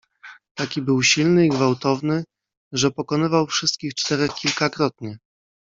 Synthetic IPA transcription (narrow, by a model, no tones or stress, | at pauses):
t̪akʲibɘwɕilnɘiɡvawt̪ɔvnɘ | ʐɛpɔkɔnɘvawfʂɘst̪̚kʲixt͡ʂt̪ɛɾɛxkʲilkakɾɔt̪̚ɲɛ